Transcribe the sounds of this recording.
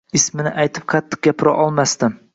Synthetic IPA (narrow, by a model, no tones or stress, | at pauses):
ɪsmɪnɪʔajt̪ʰɪp̚qʰɑt̪ʰːɨ̥q̚ɡʲapʰɪɾa̰ʔɒlˠmast̪ɪm